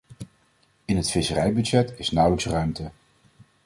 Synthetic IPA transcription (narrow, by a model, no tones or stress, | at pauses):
ɪnɦətfɪsərɛjbydsɛtɪsnʌwləksrœɥmtə